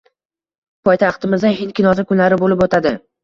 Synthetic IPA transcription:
pʰɒjt̪ʰaχt̪ɪmɪzaɦɪnkʲʰɪnɒzakʲʰʊnlaɾɪbolɪpot̪ʰad̪ɪ

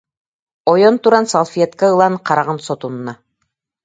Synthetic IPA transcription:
ojont̪uɾɑnsolˠfʲiet̪kaɯlˠɑɴqɑɾɑʁɤnsot̪unɤ̆nɑ

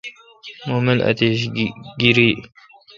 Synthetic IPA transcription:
moːmɪla̰t̪eɕ̬ɡiɾiː

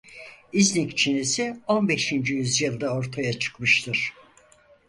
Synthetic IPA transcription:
iznikt͡ʃʰinesio̞nbeʃind͡ʒijyzjɯlˠd̪ao̞ɾt̪ʰajat͡ʃʰɯ̥kmɯʃt̪ʰɯɾ̥

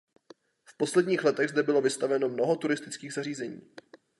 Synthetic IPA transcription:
fpo̞slɛdɲiːxlɛt̪ɛɣzdɛbɪlo̞vɪst̪avɛno̞mnoɦo̞t̪uɾɪst̪ɪt͡skiːɣzariːzɛɲḭː

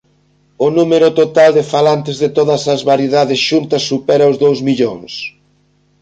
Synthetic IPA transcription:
ʊnumeɾʊt̪ot̪ald̪ɪfalant̪ɪzðɪt̪oðɐsɐzβaɾjeðaðɪsʃunt̪ɐsːupɛɾaozðowzmiʎoŋs

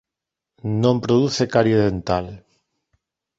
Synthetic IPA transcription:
nõmpɾoðuθekaɾjeðent̪al

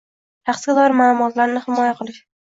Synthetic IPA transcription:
ʃɑqsɡʲad̪ɒɾɪmaːlˠʊmɒt̪laɾnɪhɪmɒjaqʰɨlˠɪʃ

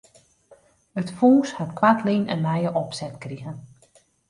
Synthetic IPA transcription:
ətfuːshatkwatlinɛ̰nmɛjəʔɔpsɛtkriɣən

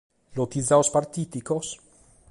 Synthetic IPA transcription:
lot̪izaospaɾt̪iːt̪ikos

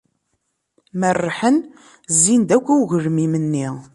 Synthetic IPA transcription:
mərˤːħən | zːind̪ækʷːæuʝəɾmimənːi

